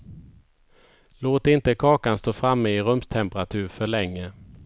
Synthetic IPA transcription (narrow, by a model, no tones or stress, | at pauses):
loːt̪ɪnt̪əkʰɑːkanst̪oːfɾamːəɪɾɵmst̪ʰɛmpɾat̪ʰʉ̟ːɾfœɭɛŋːə